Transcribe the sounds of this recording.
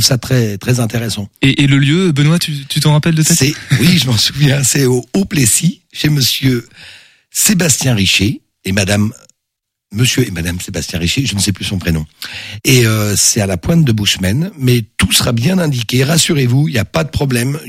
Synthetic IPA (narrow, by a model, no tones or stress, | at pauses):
ufsat̪χɛt̪χɛzɛ̃t̪eʁɛsɑ̃eʔeləljøbənwat̪yt̪yt̪ɑ̃ʁapɛld̪ət̪ɛɛwiʒəmɑsuvjɛ̃sɛooplesiʃeməsjø | sebast̪jɛ̃ʁiʃeː | mad̪amː | əsjøemad̪amsebast̪jɛ̃ʁiʃeʒənəsɛplysɔ̃pχenɔ̃eøsɛt̪alapwɛ̃t̪̚d̪əbuʃmɛnmɛt̪usəʁabjɛ̃nɛ̃d̪ikʲeʁasyʁevuiljapad̪əpχɔblɛm